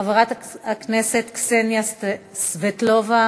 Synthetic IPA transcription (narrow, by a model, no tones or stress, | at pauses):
avaʁat̪akneset̪ksenjast̪svet̪lova